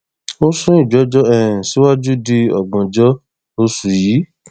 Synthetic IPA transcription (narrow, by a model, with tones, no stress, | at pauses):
o˦sũ˦i˦˨d͡ʒɔ˨˦d͡ʒɔ˦ɛ̃˨si˨˦wa˦d͡ʒu˦di˧ɔ̰˨ɡ͡bɔ̃˨d͡ʒɔ˦ | o˧su˨jiː˨˦